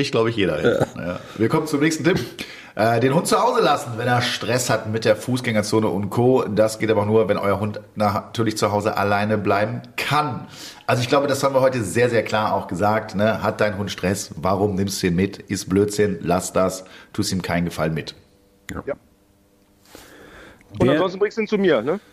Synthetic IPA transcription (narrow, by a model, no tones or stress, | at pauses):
ɪçtɡ̥laʊbəɪçjeːɾɐ̰ɪja̰ːviːɐkʰɔmənt͡sʊmnɛːçstn̩tʰɪp | ʔɛːdeːnhʊnt̚t͡suhaʊzəlasn̩vɛneːɐʃtʁ̥ɛshatmɪt̚d̥eːɐfuːsɡ̥ɛŋɐt͡soːnəʔʊntkʰoːdasɡ̥eːtʔaːbɐnuːɐvɛnʔɔʏɐɦʊntnatʰyːɐlɪçt͡suɦaʊzəʔa̰laɪnəblaɪbm̩kʰanʔalzoɪçɡ̥laʊbədashaːbmviːɐɦɔʏtəzeːɐzeːɐkl̥aːɐʔaʊxɡ̥əzaːk̚tnəhat̚d̥aɪnɦʊntʃtʁ̥ɛsvaʁʊmnɪmstd̥uːdeːnmɪtʔɪst̚b̥løːtz̥ɪnlasd̥astʰuːstiːmkʰaɪn̩ɡəfa̰lnmɪt | j | ʊntazɔnstn̩bʁɪŋstuiːnt͡sumiːɐnə